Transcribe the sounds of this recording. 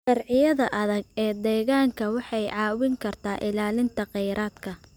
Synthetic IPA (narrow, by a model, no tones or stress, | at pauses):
ʃɐrʕɪjɐðɐʔɐðɐɡɛːd̪ɛːɣaːŋkʰɐwɑħɑjʕɑːwɪŋkʰɐrt̪ʰaːʔɪlaːlɪnt̪ʰɐqɛjɾʔaːd̪kʰɐ